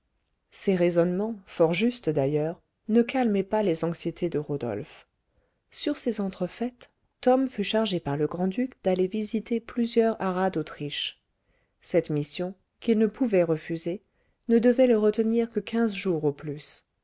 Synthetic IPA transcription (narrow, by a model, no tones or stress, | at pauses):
seʁezɔnmɑ̃fɔʁʒyst̪d̪ajœːʁ | nəkalmɛpalezɑ̃ksjet̪ʰed̪əʁod̪ɔ̰lf | syʁsezɑ̃t̪χəfɛt̪ː | ɔmfyʃaʁʒepaʁləɡʁɑ̃d̪ykd̪alevizit̪eplyzjœʁaʁad̪ot̪χiʃ | sɛt̪misjɔ̃ | kʲilnəpʰuvɛʁəfyze | nəd̪əvɛləʁət̪əniʁkəkʲɛ̃zʒuʁoplys